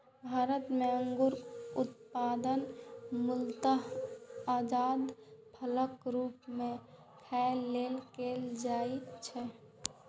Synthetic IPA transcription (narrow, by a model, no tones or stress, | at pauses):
bʱaːɾət̪meəŋɡuɾʊt̪pad̪ənmʊlt̪əɦad͡ʒaːd̪pʰələkɾuːpmẽ | kʰɛɪlːelkeld͡ʒait͡ʃʰɛ